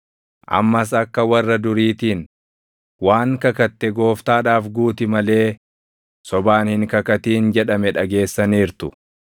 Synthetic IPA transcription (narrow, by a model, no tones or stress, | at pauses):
ʔɐ̰mːɐs̬ɐkːɐwɐrːɐd̪ʊɾiːt̪iːn | waːŋkɐkɐt̪ːɛɡo̞ːft̪aːᶑaːfɡuːt̪ɪmɐle̞ː | sɔbaːnhɪŋkɐkɐt̪iːnd͡ʒɛᶑɐmɛᶑɐɡe̞ːsːɐniːɾt̪ʊ